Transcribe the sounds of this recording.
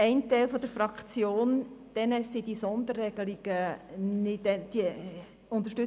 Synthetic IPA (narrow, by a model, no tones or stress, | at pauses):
ɛɪntæɪlfɔd̥̪əɾfɾɑkt͡sjoːnd̪̥ɛnɛsid̥isɔnd̪ərːɛɡ̥əliɡ̥ənɪdɛd̥iə | ʊnt̪əɾʃtʏ